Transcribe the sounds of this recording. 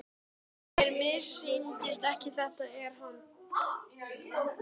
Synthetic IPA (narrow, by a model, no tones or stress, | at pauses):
ɛɾmɪɾ̥sint̪ɪst̪ɛhcɪθɛht̪aɛɾ̥ɦan